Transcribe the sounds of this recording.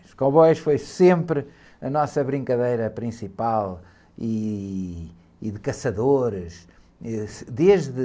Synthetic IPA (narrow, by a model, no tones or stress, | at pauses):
ʃkõβɔjʃfojsẽmpɾ | ɐnɔsɐβɾĩŋkɐðejɾɐpɾĩsipalˠ | i | ðɨkɐsɐðoɾɨʃ | ɛd̪eʒðɨ